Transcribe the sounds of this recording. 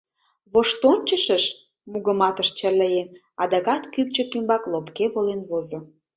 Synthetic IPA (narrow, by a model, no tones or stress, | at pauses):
βoʃt̪onʲt͡ɕəʃəʃ | muɣəmɑt̪əʃt͡ɕərləjen | ɑd̪ɑɣɑt̪kykt͡ɕəkymbɑklopkeβolenβozo